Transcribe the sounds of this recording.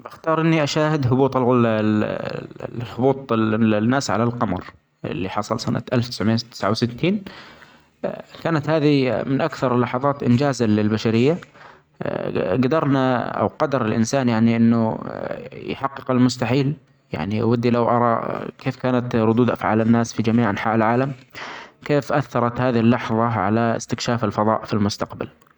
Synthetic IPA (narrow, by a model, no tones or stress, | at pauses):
baxt̪ɑːɾˤʔɪnːiʔaʃaːhɪd̪ɦʊbuːt̪ˤɪl | hʊbuːt̪ˤnːaːsʕa̰lalqɑmɑɾˤ | ɪ̰lːiħɑsˤɑlsana̰t̪ʔalft̪ɪ̥sʕmɪːat̪ɪ̥sʕawsɪt̪ʰːiːn | kaːnat̪haːðimɪnʔakθɑɾˤlːɑħɑðˤɑːt̪ʔɪnd͡ʒaːzalɪlbaʃaɾɪjːa | ɡad̪ɑɾˤnaʔa̰wqɑd̪ɑɾˤɪlʔɪ̰nsaːnjaʕniʔɪnːʊ | jħɑqːɨqalmʊst̪aħiːl | ja̰ʕniʔa̰wad̪ːilawʔɑ̰ɾˤɑ̰kʰeːfkaːnat̪ɾˤʊd̪uːd̪ʔa̰fʕaːlanːaːsfid͡ʒamiːʕʔanħaːʔɪlʕaːlam | keːfʔaθːɑɾˤɑt̪haːðiɪlːɑħðˤɑʕa̰laɪ̰st̪ɪkʃaːfalfɑðˤɑ̰ːʔfilmʊst̪aqba̰l